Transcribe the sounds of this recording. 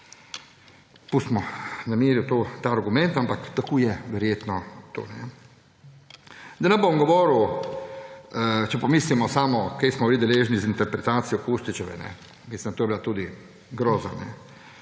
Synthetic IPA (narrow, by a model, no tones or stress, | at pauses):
pusmɔnameːɾjut̪oːt̪aːɾɡumɛ̃nt̪ampakt̪akʰoːjɛʋɛɾjeːt̪nɔt̪o̰ːnɛ | d̪anambomɡɔʋɔːɾu | t͡ʃɛpɔmiːslimɔsaːmɔkejsmɔbilid̪ɛleːʒnizint̪ɛɾpɾɛt̪aːt̪sijɔkuʃt̪it͡ʃɛʋɛ̰nɛ̰ | mislʲind̪t̪oːjbilat̪uːd̪i | ɡɾɔːzanɛ̰